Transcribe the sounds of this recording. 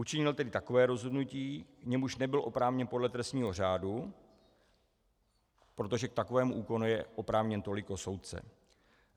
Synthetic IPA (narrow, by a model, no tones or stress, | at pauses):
ʔut͡ʃɪɲɪlt̪ɛdɪt̪ako̞vɛːɾo̞zɦo̞dnuciːkɲɛmuʃnɛbɪlʔo̞pɾaːvɲɛnpodlɛt̪ɾɛst̪ɲiːɦo̞r̝aːdu | pɾo̞t̪o̞ʒɛk̚t̪akovɛːmuʔuːko̞nujɛʔo̞pɾaːvɲɛnt̪o̞lɪkoso̞wt̪̚t͡sɛ̰